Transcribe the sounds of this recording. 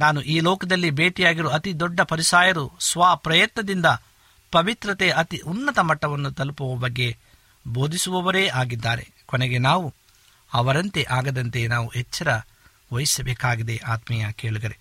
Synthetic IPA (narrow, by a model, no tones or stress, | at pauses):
naːnuʔiːlɔːkɐd̪ɐlːibeːʈijaːɡiɾoɐt̪id̪ɔɖːɐpɐɾisaːjɐɾusʋaːpɾɐjɐt̪nɐd̪ind̪ɐ | pɐʋit̪ɾɐt̪eɐʔɐt̪iʔunːɐt̪ɐmɐʈːɐʋɐnːut̪ɐlupuʋɐbɐɡːe̞ | bo̞ːd̪isuʋɐʋɐɾeːʔaːɡid̪ːaːɾe̞̰ | konɛɡe̞naːʋu | ɐʋɐɾɐnt̪e̞ʔaːɡɐd̪ɐnt̪e̞naːʋuɦɛt͡ʃːɐɾɐ | ʋojisɐbɛːkaːɡid̪e̞ʔaːt̪mɛjɐke̞ːɭuɡ̪ɐɾe